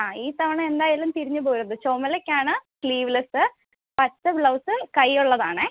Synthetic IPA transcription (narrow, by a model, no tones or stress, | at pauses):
aːiːt̪ɐʋɐɳɐme̞nd̪aːjaːlumt̪iɾiɲːɨbo̞ːɾuðɨt͡ɕoːmɐlekʲːaːɳɨkɭiːʋlesɨ | pɐtːɨbɭɐwsɨkɐjːuɭːɐðaːɳɨ